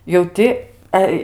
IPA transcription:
jɛʊ ˈtʲɪ ˈɛ

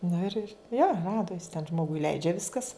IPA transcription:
ˈnʊ ɪr ɪr joː ˈrɑːdʊ jɪs tʲɛn ˈʒmoːɡʊɪ ˈlʲɛɪd͡ʒʲɛ ˈʋʲɪskɐs

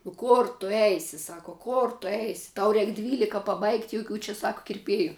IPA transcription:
nʊ ˈkoːr tʊ ˈɛɪsʲɪ ˈsɑːkɐ ˈkoːr tʊ ˈɛɪsʲɪ ˈtɐʊ ˈrʲɛɪk ˈdʲʋʲiːlʲɪkɐ pɐˈbɐɪktʲ joːˈkʲuː t͡ʃʲɛ ˈsɐk kʲɪrʲˈpʲeːjʊ

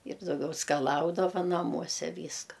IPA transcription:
ɪr dɐʊˈɡʲɛʊ skɐˈlˠɐʊdɐʋɐ nɐˈmuɔsʲɛ ˈʋʲiːskɐ

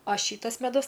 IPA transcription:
ɐ ˈʃʲiːtɐs mʲɛˈdʊs

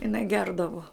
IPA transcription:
ɪˈnɐɪ ˈɡʲɛrdɐʋʊ

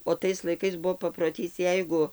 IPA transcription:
oː ˈtɐɪs lˠɐɪˈkɐɪs ˈbʊʋoː pɐproːˈtʲiːs ˈjɛɪɡʊ

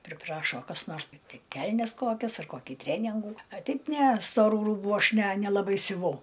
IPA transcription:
pʲrʲɪˈprɑːʃoː kɐs ˈnoːrs ˈtɐɪ ˈkʲɛlʲnʲɛs ˈkoːkʲɛs ɐr ˈkoːkʲɪ ˈtʲrʲæːnʲɪŋɡuː ɐ ˈtʲɛɪp ˈnʲɛ stoːˈruː ˈruːbʊ ˈɐʃ nʲɛ nʲɛlˠɐˈbɐɪ sʲʊˈʋɐʊ

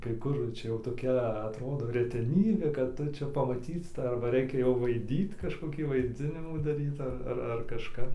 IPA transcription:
kɐɪ ˈkʊr ˈt͡ʃʲɛ ˈjɛʊ toːˈkʲɛ ɐtˈroːdoː rʲɛtʲɛˈnʲiːbʲeː kɐt ˈtʊ ˈt͡ʃʲɛ pɐmɐˈtʲiːt ˈtɑː ɐrbɐ ˈrʲɛɪkʲɛ jɛʊ ʋɐɪˈdʲiːt kɐʃkoːˈkʲiː ʋɐɪˈd͡zʲɪnʲɪmuː dɐˈrʲiːt ɐr ɐr kɐʃˈkɐp

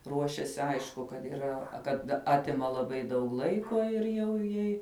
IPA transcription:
ˈruɔʃʲɛsʲɪ ˈɐɪʃkʊ kɐt iːˈrɐ kɐt ˈɑːtʲɪmɐ lˠɐˈbɐɪ dɐʊk ˈlˠɐɪkoː ɪr ˈjɛʊ ˈjɛɪ

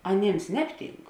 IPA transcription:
ɐˈnʲeːms ˈnʲæːpʲˌtʲiːŋk

